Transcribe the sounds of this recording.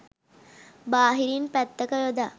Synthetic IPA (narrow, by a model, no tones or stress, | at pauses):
baːɦiɾinpæt̪ːəkəjod̪a